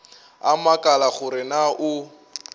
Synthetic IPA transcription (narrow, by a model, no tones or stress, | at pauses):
a̰makʼalaχʊɾɪnaʔʊ